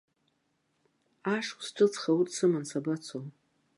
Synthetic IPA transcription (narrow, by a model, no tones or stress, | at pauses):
aʂsʈ͡ʂʷʰʼɨt͡sʰχawutʼsɨmansabat͡sʰom